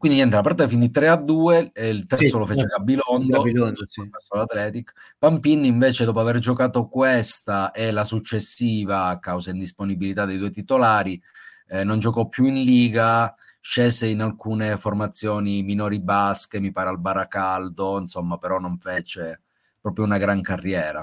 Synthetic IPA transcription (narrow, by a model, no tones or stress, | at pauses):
kwindiɲɛnt̪elapaɾt̪afinit̪ɾead̪ːuːeilt̪ɛɾsolofeːt͡ʃeɡabilɔnd̪obasːolat̪lɛːt̪ikpampinːiɱveːt͡ʃed̪ɔːp̬oaverd͡ʒokaːt̪okwest̪aʔelasut͡ʃːesːiːvakawsaind̪isponibilit̪ad̪ːejd̪uoet̪it̪olaːɾi | nond͡ʒokɔpːjuinliːɡa | ʃeːseinalkuːneformat̪sːjɔːniminɔːɾibaskemipaːɾealbaɾakald̪oinsomːapeɾɔnːoɱfeːt͡ʃe | pɾɔːpɾjounaɡɾaŋkarːjɛːɾa